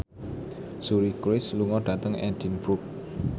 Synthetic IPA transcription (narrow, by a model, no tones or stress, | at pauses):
suɾikwɪsluŋɔɖ̥at̪əŋɛ̰d̪inbɾuk̚